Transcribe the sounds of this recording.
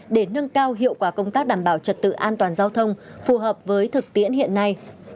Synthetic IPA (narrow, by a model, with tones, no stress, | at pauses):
ɗe˧˩nə˧nkaː˧wɦḭ˧˨əwkwaː˧˩kə˧wŋ͡mt̪aː˦˥k̚ɗaː˧˩mɓaː˧˩wt͡ɕə˨˩t̚t̪ɨ̰˧˨ʔaː˧nt̪waː˨˩nzaː˧wt̪ʰə˧wŋ͡mfu˨˩ɦəː˨˩p̚vəː˨˦jt̪ʰɨ˨˩k̚t̪i˧˥ənɦḭ˧˨ənːa˧j